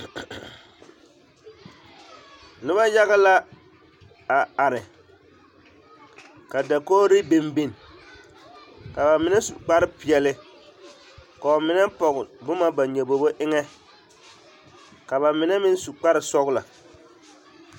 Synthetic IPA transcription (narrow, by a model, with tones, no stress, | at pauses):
nɪ˦ba˦ja˦ɣa˦la˦ | a˨a˨ɾɪ˨ | ka˨da˨koː˦ɾɪ˦be˦mbi˦n˨ | ka˨ba˨mɪ˨nɛ˦su˨k͡pa˦ɾɪ˦pɪ˨ɛ˨lɪ˦ | ka˨o˨mɪ˨nɛ˦pɔ˨ɣʊ˨bʊ˦ma˦ba˨ɲɛ˨bo˨bo˦ʔɪ˦ŋɛ˦ | ka˨βa˨mɪ˨˦nɛ˦mɪ˦n˦su˨k͡pa˦ɾɪ˨sɔ˦ɣʊ˦la˨